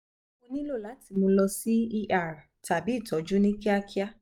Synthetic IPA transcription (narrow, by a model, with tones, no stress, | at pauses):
o˧nĩ˦lo˦˨la˨˦ti˧mõ˧lɔ˧si˦i˧ʔa˨ɾa˨ta˨bi˨˦˨tʰɔ˨˦d͡ʒu˦nĩ˦ki˦a˧ki˦a˦